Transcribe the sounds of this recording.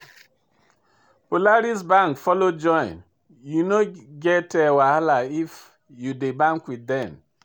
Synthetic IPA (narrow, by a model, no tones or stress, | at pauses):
polaɾisbãŋkfɔlod͡ʒɔ̃j̃n | junoɡɛtɛwahalaif | judebãŋkwidɛ̃n